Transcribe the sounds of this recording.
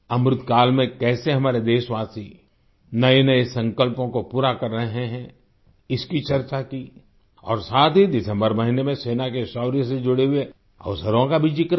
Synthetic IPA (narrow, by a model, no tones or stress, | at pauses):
ɐmɾʊt̪kaːlmẽkɛːseɦɐmaːɾed̪eːʃʋaːsi | nɐenɐesɐ̃ŋkəlpõkopuːɾakɐɾːɐɦɦeɦɛ̃ | ɪskit͡ʃɐɾt͡ʃaki | ɔ̰ːɾsaːt̪ɦid̪ɪsə̃mbəɾmɐɦinemẽseːnakesɔːɾjəsed͡ʒʊɽeɦʊe | ɐ̰ʋsəɾõkabʱid͡ʒik